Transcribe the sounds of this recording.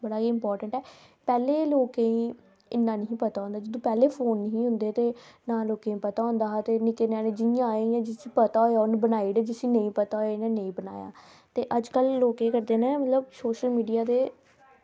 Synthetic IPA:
bəɽaːɦiːɪmpɔːɾʈəɳʈɛː | pɛːleːloːkẽĩː | ɪnːãːnəɦĩːpət̪aːʊ̃nd̪aːd͡ʒəd̪õːpɛːleːpʰoːnːɦĩːɦʊnd̪eːt̪eːnãːloːkẽːĩːpət̪aːɦʊ̃nd̪aːɦt̪eːnɪkenãːnẽːd͡ʒɪjãːaːejãːd͡ʒɪsiːpət̪aːojaːʊnbənaːiːɽed͡ʒɪsiːnəĩːpət̪aːojɪnãːnəĩːbəna̰ːja̰ː | t̪eːʔəd͡ʒkəlːoːkẽːkəɾd̪eːnẽːmət̪ləbsoːʃəlmiːɖijaːd̪eː

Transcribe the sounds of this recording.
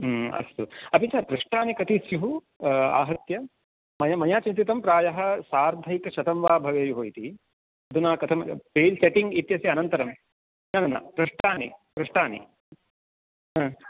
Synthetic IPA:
ɐ̰st̪uɐpit͡ʃaːɾpɾɐʂʈaːnikɐt̪isjuɦu | a̰ːɦɐɾt̪jɐ | mɐjɐmɐjaːt͡ʃint̪it̪ɐmpɾaːjɐɦɐ̆saːɾd̪ʱɐjkɐʃɐt̪ɐmʋaːbʱɐʋeːjuɦoːjit̪i | ɐd̪ʱunaːkɐt̪ʰɐmpeːlseʈiŋɡit̪jɐseɐnɐnt̪ɐɾɐm | nɐnɐna̰pɾɐʂʈaːnḭpɾɐʂʈaːnḭ | ɦɐ̃ː

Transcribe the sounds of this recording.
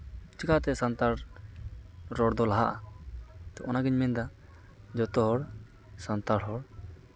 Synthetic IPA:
t͡ʃikat̪ɛsant̪aɾ | ɾɔɽd̪ɔlaɦaʔa | t̪ɔʔɔnaɡiɲmɛnd̪a | d͡ʒɔt̪ɔɦɔɽ | sant̪aɽɦɔɽ

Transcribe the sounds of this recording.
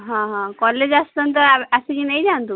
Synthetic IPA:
ɦãɦɔ̃kɔled͡ʒast̪ɔnt̪̬ɔasikinɛjd͡ʒant̪u

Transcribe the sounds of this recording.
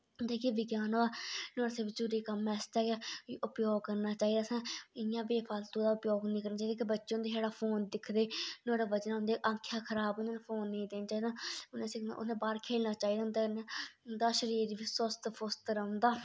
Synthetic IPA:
nd̪eːkiːʋɪɡjaːnoːaːnoːɽasɪbd͡ʒuːɾeːkəmɛːst̪aːkeʊpjoːɡ̚kəɾnaːt͡ʃaːiːd̪aːsãːɪjãːbeːpʰaːlt̪õːd̪aːʊpjoːɡnĩːkəɾnaːt͡ʃaːid̪aːk̬ɪbətːʃẽːʊnd̪eːɦaːɽaːpʰoːnd̪ɪkʰd̪eːnoːɽaːʋəd͡ʒnʊ̃nd̪eːʔãːkʰːjaːkʰəɾaːbneːnːpʰoːnːĩiːd̪eːnt͡ʃaːiːd̪aːʊnẽsɪʊ̰ẽːbaːɾkʰeːlnaːt͡ʃaːiːd̪aːʊnd̪ennd̪aːʃəɾiːɾʋɪswəst̪pʰʊst̪ɾə̃nd̪aː

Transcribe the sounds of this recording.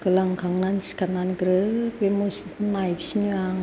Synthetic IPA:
kɯlaŋkʰaŋnansi̥kananɡɾɯbemosinpʰɯnːajbisinɯaŋ

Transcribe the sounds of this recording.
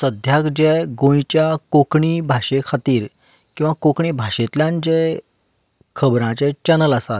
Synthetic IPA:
səd̪ʱjakd͡ʑɛɡõjt͡ɕjakokɳiːbʱaɕekʰat̪iːɾ | kĩw̃ʋakokɳiːbʱaɕet̪ljãnd͡ʑɛ | kʰəbɾãt͡ɕɛ̃t͡ɕənələsat̪

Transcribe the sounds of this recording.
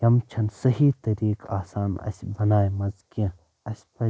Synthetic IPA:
jɐmt͡ʃʰɐnsɐɦit̪ɐɾiːka̰ːsaːnɐ̰sbɐnaːjmɐzkẽ | ɐsʲpɐ

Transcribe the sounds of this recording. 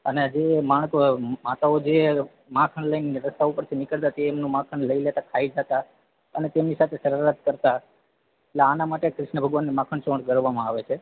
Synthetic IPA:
əned͡ʒemaɽ̃kmat̪aod͡ʒe | mãkʰəɳləjneɾəst̪aupəɾt̪ʰinɪkəɭt̪at̪eːmnũmãkʰəɳləilet̪akʰaid͡ʒat̪a | ənet̪emnisat̪ʰesəɾəɾat̪kəɾt̪a | eʈleanamaʈekɾɪʃɳəbʱəɡʋanːimãkʰəɳt͡ʃõɳɡəɾʋamãaʋet͡ʃʰe

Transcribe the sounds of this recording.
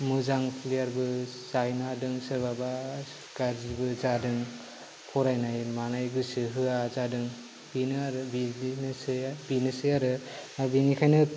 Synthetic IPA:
mɯzaŋpʰlijaɾbɯsajnadɯŋsɯɾbaba | ɡ̥aɾzibɯzadɯŋ | pʰɔɾajnajmanajɡɯsɯɦɯazadɯŋ | b̥inɯaɾɯbinsbinɯsɯjaɾɯ | abinikʰajnɯ

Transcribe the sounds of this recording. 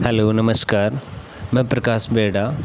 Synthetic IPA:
hɐloːnɐmɐskaːɾ | mẽpɾɐkaːsbeːɽa

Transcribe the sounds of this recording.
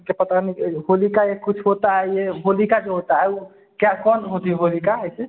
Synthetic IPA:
kepət̪anibolikajekut͡ʃʰɦot̪aɦɛjebʱolikad͡ʒeɦot̪aɦɛu | kjakɔnɦot̪iɦɛbʱolikaəse

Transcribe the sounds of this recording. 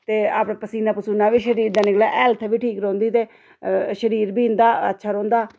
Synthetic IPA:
t̪eːa̰ːpɽãːpəsiːnãːpəsuːnãːʋiːʃəɾiːɾd̪aːnɪklaːʔɛːlt̪ʰʋiːʈʰiːkɾõːnd̪iːt̪eː | ʃəɾiːɾbiːnd̪aːə̰tːʃʰaːɾõːnd̪aː

